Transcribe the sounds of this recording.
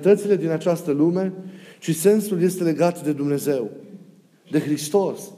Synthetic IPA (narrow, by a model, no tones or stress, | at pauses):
t̪ət̪sile̞d̪inat͡ʃast̪əlume̞ʃise̞nsulje̞st̪e̞le̞ɡat̪d̪e̞d̪umne̞ze̞w | d̪e̞xɾist̪o̞s